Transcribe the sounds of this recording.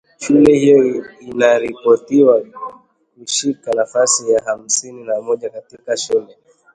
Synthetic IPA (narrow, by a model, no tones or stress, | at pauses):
ʃulɛhijɔinaɾipɔtiwa | kuʃikanafasijaham̩sininamɔʄakatikaʃulɛ